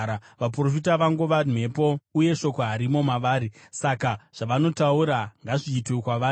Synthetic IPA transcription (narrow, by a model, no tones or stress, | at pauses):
aʋapro̞fitaʋaŋɡoʋanwe̞po̞uje̞ʃo̞koɦaɾimo̞maʋaːɾi | sakaʐ̥aʋano̞tauɾaŋɡaʐiːtwekwaʋaː